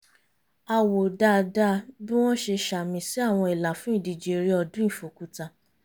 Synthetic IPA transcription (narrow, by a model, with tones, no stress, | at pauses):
a˧˨wo˨da˧˨da˦bi˦w̃ɔ̃˦ʃe˧ʃa˨mĩ˧si˦a˦˨w̃ɔ̃˧i˨la˨fũ˨˦i˦˨di˨d͡ʒe˨˧ɾi˦ɔ˧dũ˦ĩ˦˨fo˨˦ku˦ta˧˨